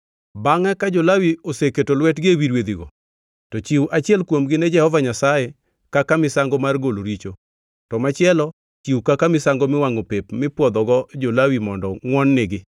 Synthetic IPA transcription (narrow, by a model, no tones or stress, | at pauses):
baŋɛkad͡ʒolawioseketolwɛtɡɪewiɾwed̪iɡɔ̰ | tɔt͡ʃiwʔat͡ʃɪɛlkwomɡɪned͡ʒɛhɔvaɲasaje | kakamɪsaŋɡɔmarɡoloɾit͡ʃo | tɔmat͡ʃɪɛlɔ | t͡ʃiwkakamɪsaŋɡomɪwaŋopepmɪpwɔd̪ɔɡɔd͡ʒolawimɔndɔŋwɔnːɪɡɪ